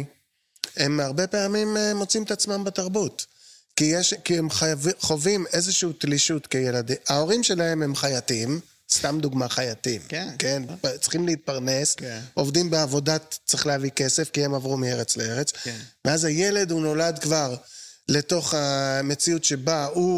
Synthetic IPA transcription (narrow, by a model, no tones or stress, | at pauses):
e̞maʁbe̞peamimmo̞t͡siimet̪at͡smambetaʁbut | kijeʃkiemvχo̞vime̞zeʃuutliʃutkejeladiao̞ʁimʃe̞lae̞me̞mχajatim | st̪amd̪uɡmaχajatimkent͡sχimleit̪̚paʁne̞sʔo̞vdimbeavo̞datt͡sʁeχleavike̞se̞fkie̞mavʁumieʁet͡sleeʁet͡sveazhaje̞le̞duno̞ladkvaʁle̞to̞χame̞t͡siutʃe̞bau